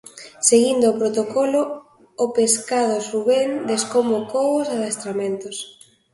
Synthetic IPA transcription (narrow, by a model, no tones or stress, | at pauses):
seɣind̪ʊːpɾot̪okɔloː | peskað̞ʊsuβend̪eskomokowʊsaðest̪ɾamẽnt̪os